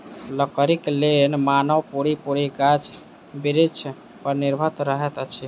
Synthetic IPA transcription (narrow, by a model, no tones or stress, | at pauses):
ləkəɾiklenmanəwpoɽipoɽiɡat͡ʃ | biɾit͡ʃʰ | pəɾniɾbʱət̪ɾəɦɛt̪ət͡ʃʰi